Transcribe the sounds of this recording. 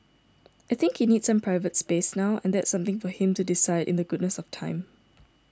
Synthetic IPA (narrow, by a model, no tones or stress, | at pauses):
aɪθɪ̃ŋkhinid̥sãmpʰɹaɪvətspesnaʊɛ̰̃nd̪ɛtsʌ̃mt̪ɪ̃ŋfɔhɪ̃mtudɪsaɪɾʔɪ̰̃ndðəɡʊdⁿnəsɔftʰãɪ̃m